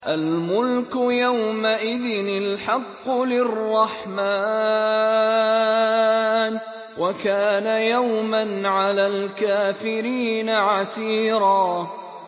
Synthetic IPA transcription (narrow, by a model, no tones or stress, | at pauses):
ʔalmʊlkʊjawmaʔɪðɪnɪlħɑqːʊlɪrˤːɑħmaː | n | wʔakaːnajawmanʕalaːlkaːfɪɾiːnaʕasiːɾɑː